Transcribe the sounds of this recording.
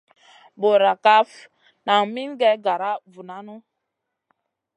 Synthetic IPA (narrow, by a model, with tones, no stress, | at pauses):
bo˨ɾa˨ka˦f | na˨ŋ˨mi˦nɡɛ˦ɡa˨ɾa˦vu˨na˦nu˦